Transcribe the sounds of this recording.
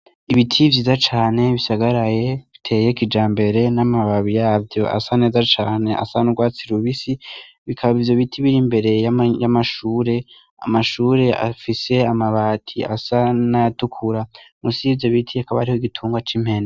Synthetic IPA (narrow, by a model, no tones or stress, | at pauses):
iβitʰivjiːzat͡ʃaːne̞βisaɡaɾaje̞βitʰe̞ːje̞kid͡ʒaːmbe̞ɾe̞namaβaβijaːvjo̞ʔa̰sane̞ːzat͡ʃaːne̞ʔa̰sanuɡwaːt͡siɾuβisi | βikʰaβaβivjoβitʰiβiɾimbe̞ɾe̞jajamaʃuːɾe̞ | a̰maʃuːɾe̞a̰fise̞amaβatʰia̰sanajatukʰuɾamusiveβitʰijakaβaaɾiho̞iɡitʰuːŋɡwat͡ʃim̥he̞na